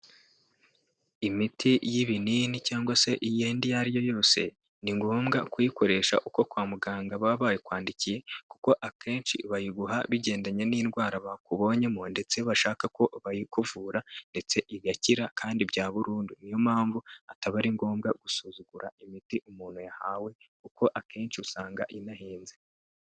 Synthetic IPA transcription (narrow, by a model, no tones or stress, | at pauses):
imitʰijiβininicaːŋɡwase̞ʔijeːndijaɾijo̞jo̞ːse̞̰ | niŋɡo̞ːmɡakujiko̞ɾe̞ːʃa̰ʔuko̞kwaːmuɡaːŋɡaβaβaːjekwaːndicije̞kuko̞ʔakʰe̞ːnt͡ʃḭβajiɡuɦaβiɟe̞ːndaɲe̞niːnɡwaːɾaβakuβo̞ɲemonde̞t͡se̞βaʃaːkako̞βajikuvuːɾande̞t͡se̞ʔiɡaciɾakʰaːndibɟaːβuɾuːndunijo̞mhaːɱvuataβaɾiŋɡo̞ːmɡaɡusuzuɡ̥uɾaimitiʔumuːn̥hujahaːwe̞kuko̞ʔakʰe̞ːnt͡ʃiusaːŋɡa̰ʔinahiːnze